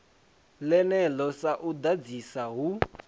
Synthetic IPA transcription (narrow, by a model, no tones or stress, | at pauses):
lɛnɛlɔsaʔud̪ad͡zisaɦu